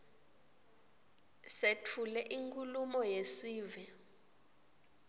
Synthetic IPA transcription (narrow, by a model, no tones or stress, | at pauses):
setʰulɛʔiŋkʰʼulumɔjesiːvɛ